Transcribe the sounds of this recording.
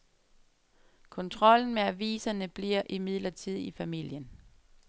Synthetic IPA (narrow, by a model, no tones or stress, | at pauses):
kʰɔ̽nt͡sʰʁɒ̽l̰n̩meæʋḭːsɐnəb̥liɐ̰ʔimið̞̰ˠlɐt͡sʰið̰ˠifæmil̰jən